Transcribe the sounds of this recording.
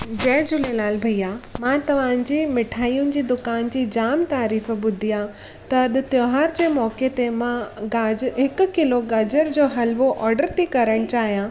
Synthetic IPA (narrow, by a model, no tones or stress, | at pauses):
d͡ʑɐ̃ɦɪ̃d͡ʑʊlelaːlbʱɐijamãt̪ɐʋ̤ãːɲd͡ʑiːmɪʈʰaːijʊnɪ̆d͡ʑiːd̪ʊkaːnd͡ʑiːd͡ʑaːmt̪aːɾiːfɓʊd̪ʱijã | t̪ɐɗ̆t̪joːɦaːɾd͡ʑeːmɔːket̪emãɡaɦɪkʊ̆kɪloɡɐːd͡ʑəɾd͡ʑoːɦɐlʋoʔɔːɾɖəɾt̪ʰikɐɾəɽ̃t͡ɕaːɦijã